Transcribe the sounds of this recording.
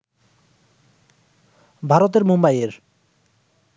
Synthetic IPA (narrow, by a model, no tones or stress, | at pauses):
bʱaɾot̪̬eɾmombajeɾ